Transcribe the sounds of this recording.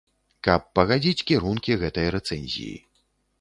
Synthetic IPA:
kɐpːɐɣad͡zʲit͡sʲkʲiɾunkʲiɣɛt̪ɐjɐɾɛt̪sɛnʲzʲḭjḭ

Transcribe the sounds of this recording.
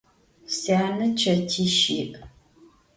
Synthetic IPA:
saːnɨt͡ʃʰɐtʰiːʃiːkʼ

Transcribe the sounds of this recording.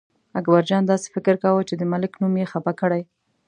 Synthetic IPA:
aɡbaɾd͡ʒɑnd̪ɑse̥fɪkɪɾkawət͡ʃed̪əmalɪknumjexapakəɽaj

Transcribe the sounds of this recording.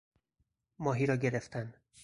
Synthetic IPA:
mɒːɦiːɾɒːɟe̞ɾe̞ft̪ʰæn

